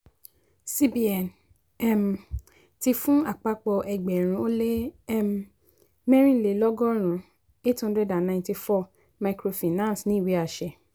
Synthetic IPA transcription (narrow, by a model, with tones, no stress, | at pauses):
si˦bi˨ɛ˨n | ɛ˦m˨ | ti˧fũ˦a˨k͡pa˧k͡pɔ˧ʔɛ˧ɡ͡bɛ˨ɾ̃ũ˧˦o˦le˦ɛ˦m˦ | mɛ̃˦ɾ̃ĩ˦˨le˨˦lɔ˦ɡɔ˦ɾ̃ũ˨˦ | e˦thɔ̃˦ndɾɛ˧dã˨nnã˧˨nti˧fɔ˦˨ | ma˨kɾo˧fi˨nã˦˨snĩ˨˦i˨wi˨˦a˨ʃɛ˧˨